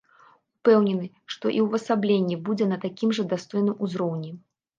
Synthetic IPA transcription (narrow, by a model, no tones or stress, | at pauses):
upɛwnʲɛnɨ | ʂt̪ɔʔiwvɐsablʲenʲːibud͡zʲɛnɐt̪akʲimʐɐd̪ast̪ɔjnɨmuzɾɔwnʲɛ